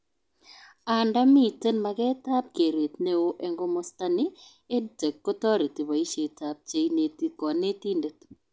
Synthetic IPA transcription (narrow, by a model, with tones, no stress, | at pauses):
a˨nda˦mi˦˨te˦nma˨ɡɛ˦ta˦p̚ke˨ɾe˨t̪ne˦o˦ʔe˦ŋɡɔ˦mɔ˦sta˦nɪ˦ | e˦dte˨kːɔ˦tɔ˦ɾe˨ti˨βa˨i˦ʃe˨ta˦p̚t͡ʃe˦i˦ne˨ti˦kɔ˨ne˦ti˦nde˨t̪